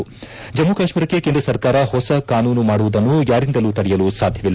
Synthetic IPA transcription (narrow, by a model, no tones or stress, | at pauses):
d͡ʒɐmːukaːʃmiːɾɐkːe̞keːnd̪ɾɐsɐɾkaːɾɐhɔsɐkaːnuːnumaːɽuʋud̪ɐnːujaːɾind̪ɐluːt̪ɐɽɛjɐlusaːd̪ʱjɐʋilː